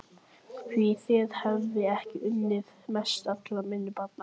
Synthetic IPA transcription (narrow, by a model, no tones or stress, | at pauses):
fviθɪðhɛvːɪɛhcɪʔʏnːɪðmɛst̪at̪lamɪnːʏpat̪na